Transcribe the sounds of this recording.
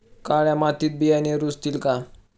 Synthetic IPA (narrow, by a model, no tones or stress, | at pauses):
kaɭjamat̪iːt̪̚bijaneɾust̪iːlka